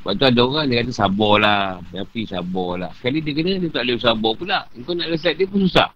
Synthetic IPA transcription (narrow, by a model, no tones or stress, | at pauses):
baʔt̪uadaoɣaŋdiəkat̪̬əsabɔlajapisabɔla̰hsə̥kalidiəkənədiət̪aʔləsabɔpunlahŋkonaʔləs̬ɛt̪̚diəpususa̰h